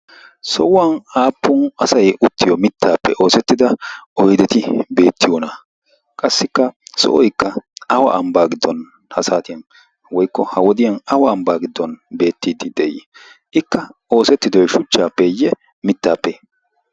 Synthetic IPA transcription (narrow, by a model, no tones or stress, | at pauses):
sɔwʊwaːnaːpːʊnɐsɐjʊt̪ːɪjɔmɪt̪ːaːpːɛ̰ʔo̞ːsɛt̪ːɪd̪ɐɔjd̪ɛt̪ɪbe̞ːt̪ːɪjɔnɐ | kʼɐsːɪkːɐsɔ̰ʔɔjkːɐɐwɐ̰ʔɐmbaːɡɪd̪ːɔn | hɐsaːt̪ɪjɐn | wɔjkːɔhɐwɔd̪ɪjɐnɐwɐːmbaːɡɪd̪ːɔnbe̞ːt̪ːiːd̪ɪd̪ɛʔɪ̰ | ʔɪkːɐo̞ːsɛt̪ːɪd̪ɔjʃʊt͡ʃːaːpːɛjːɛ | mɪt̪ːaːpːɛ